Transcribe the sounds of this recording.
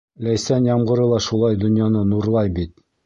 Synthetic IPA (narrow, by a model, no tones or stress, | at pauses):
læjsænjɑmɢɤ̆ɾɤ̆lˠɑʃulˠɑjd̪ŏnjɑnɤnuɾlˠɑjbit̪̚